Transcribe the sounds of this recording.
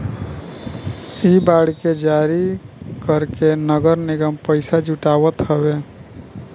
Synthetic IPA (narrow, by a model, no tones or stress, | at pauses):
ibaːɽked͡ʒaːɾikəɾkenəɡəɾnɪɡəmpəɪsad͡ʒuʈaːwət̪ɦəwe